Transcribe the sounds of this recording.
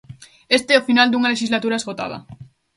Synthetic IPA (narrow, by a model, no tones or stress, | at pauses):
est̪eofinald̪uŋaleʃizlat̪uɾaezɣot̪a̰ð̞a̰